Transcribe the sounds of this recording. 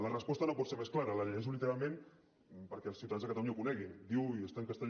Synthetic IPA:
lərəspɔst̪ənopɔt̪seɾmesklaɾələʎeʒɛns̬ulit̪əɾalˠmẽn | pəɾkɛəlsiwt̪aanzəkat̪aluɲaukunɛɣind̪iwiest̪aŋkəst̪əʎ

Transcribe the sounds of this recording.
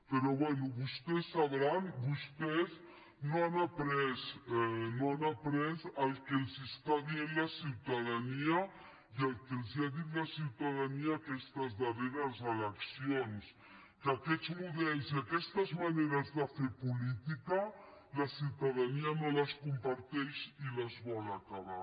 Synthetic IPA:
peɾoβwɛnuβust̪ɛsːaβɾanbust̪ɛz | noanapɾɛsnoanapɾɛzalkelzist̪aðjenlasiwt̪aðania | iəlˠkelˠziaðinlasiwt̪aðaniaːkɛst̪əzðəreɾəzələksions | kəkɛd͡zmuðɛlziakɛst̪əzmaneɾəzðəfepulit̪ikə | ləsiwt̪aðanianoləskumpaɾt̪ɛʃiləzβɔlakaβa

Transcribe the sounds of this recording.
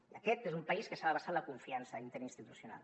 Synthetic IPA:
iəkɛt̪ezumpaiskəsaðəβasaləkuɱfiansəint̪eɾinst̪it̪usjuna̰l

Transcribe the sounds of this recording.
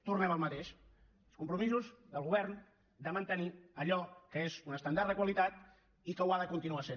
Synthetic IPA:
t̪urnɛməlˠmət̪eʃ | lˠskumpɾumizuzðəlˠɣuβ̞ɛrn | d̪əmənt̪əniəʎɔkəezunəst̪ənd̪aɾðəkwəlit̪at̪ | ikəwaðəkunt̪inuasen

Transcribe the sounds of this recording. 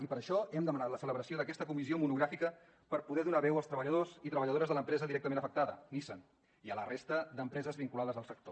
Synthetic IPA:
ipəɾəʃɔɛmd̪əmənat̪ləsələβɾəsioðəkɛst̪əkumiziomunuɣɾafikə | pəɾpuðɛðunaβɛwəlˠt̪ɾəβəʎəðozit̪ɾəβəʎəðoɾəzðələmpɾɛzəðiɾɛk̚t̪əmẽnəfək̚t̪aðənisən | iələrest̪əd̪əmpɾɛzəzβiŋkulaðəzðəlˠsək̚t̪o

